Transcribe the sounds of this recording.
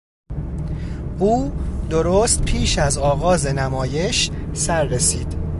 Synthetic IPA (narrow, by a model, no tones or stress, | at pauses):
ʔuːd̪o̞ɾoːst̪̚pʰiːʃæzɒːɣɒːze̞næmɒːje̞ʃsæɾːesiːd̪̥